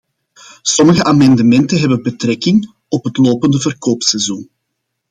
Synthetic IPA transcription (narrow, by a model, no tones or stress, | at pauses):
sɔməɣəʔaːmɑndəmɛntənɦɛbəbətɾɛkɪŋ | ɔpɦətloːpəndəvərkoːpsɛzun